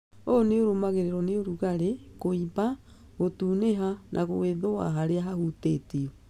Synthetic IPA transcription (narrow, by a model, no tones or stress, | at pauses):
oneoɾomaɣeɾeɾɔneoɾuɣaɾekoiba | ɣotuːneɦanʔaɣoweðowa̰ɦaɾeaɦahutetiɔ